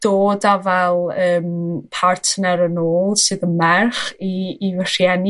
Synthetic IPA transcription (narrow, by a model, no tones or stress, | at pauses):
d̥oːdavɛlˠəːmpʰartʰnɛɾənoːlˠsɨðəmɛrχiːvər̥jɛni